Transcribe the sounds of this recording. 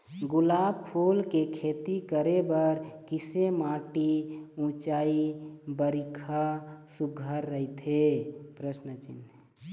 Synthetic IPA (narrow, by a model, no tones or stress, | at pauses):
ɡulaːbpʰulkekʰet̪ikəɾebəɾkisemaːʈiũt͡ʃaːibəɾikʰasuɡʱəɾːəit̪ʰepɾəsnət͡ʃɪ̰n